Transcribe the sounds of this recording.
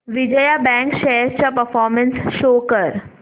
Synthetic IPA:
ʋɪd͡ʑəjabɛ̃ŋkʃɛɦəɾt͡ɕapəɾfɔːɾmə̃nsʃoːkəɾ

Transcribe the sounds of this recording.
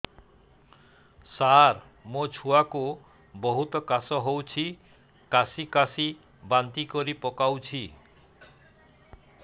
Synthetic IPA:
saɾ | mot͡ʃʰuaku | boɦut̪ɔkasɔɦowt͡ʃʰi | kasikasi | bant̪ikoɾipɔkawt͡ʃʰi

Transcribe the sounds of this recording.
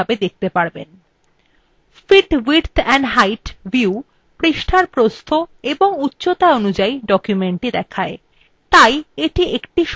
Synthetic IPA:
abed̪ek̚ʰt̪epaɾben | fiʈwiɾt̪ʰɛnɦajʈbiu | pɾiʃʈʰaɾpɾost̪ʰoeboŋutːɕot̪aonud͡ʑaiɖɔkjumeɳʈid̪ɛkʰae | t̪ajeʈiekʈiʃ

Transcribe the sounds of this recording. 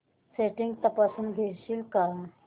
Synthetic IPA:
seʈĩŋɡ̚t̪əpasuːnɡʱeɾɕiːlka

